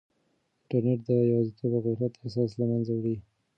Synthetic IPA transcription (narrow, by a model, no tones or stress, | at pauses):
ɪɳʈaɾneʈ̚d̪əjzit̪obaɣʊjɾat̪asɑslamanzawɽi